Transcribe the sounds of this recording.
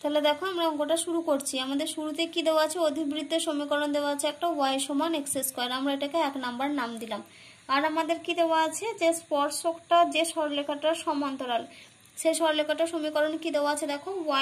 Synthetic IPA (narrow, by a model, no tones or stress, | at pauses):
t̪ɛɦled̪ɛkʰoamɾaɔŋɡoʈaʃuɾukoɾt͡ɕʰiamad̪eɾʃuɾut̪ekid̪ewaat͡ɕʰeod̪ʱibɾid̪ʱːoʃomikɔɾond̪ewaat͡ɕʰeɛk̚ʈawajʃomanekseskɔeɾamɾaeʈakeɛknambaɾnamd̪ilam | aɾamad̪eɾkid̪eoaat͡ɕʰed͡ʑespɔɾsokʈad͡ʑeʃɔɾlekʰaʈaʃɔmant̪oɾal | ʃeʃɔɾlekʰaʈaʃomikɔɾonkid̪eoaat͡ɕʰed̪ɛkʰowa